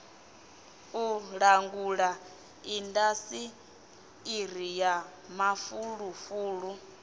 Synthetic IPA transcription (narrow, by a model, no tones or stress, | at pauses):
uɺaŋɡuɺa | indasiː | ɾija | mafuɺufuːɺu